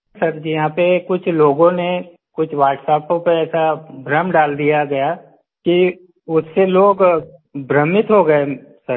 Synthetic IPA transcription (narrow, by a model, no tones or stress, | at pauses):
sɐɾd͡ʒijɐɦãːpekʊt͡ʃʰloːɡõne | kʊt͡ʃʰʋaːʈsɛːpõpɐɛːsabɾəmɖaːld̪ijaɡɐja | ki | ʊsːeloːɡbɾəmɪt̪ɦoɡɐesɐɾ